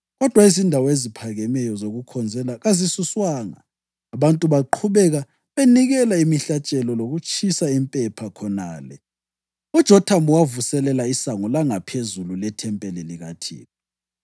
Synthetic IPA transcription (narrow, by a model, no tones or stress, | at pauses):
ɣɔd̥ʱwaizindʱawɔezipʰaɣɛmɛjɔzoɣukʰɔnd͡zʱɛlaɣazisuswaːŋa̰ː | βantʼuβaǃʰuβɛɣa | βeniɣɛlaimiɬat͡ʃʼɛlɔloɣut͡ʃʼʰisaimpʼɛpʰakʰɔna̰ːlɛ̰ | ud̥ʒ̥ʱɔtʰamuwavusɛlɛlaisaŋɔlaŋapʰezululɛtʰɛmpʼɛlɛliɣatʰḭːkɔ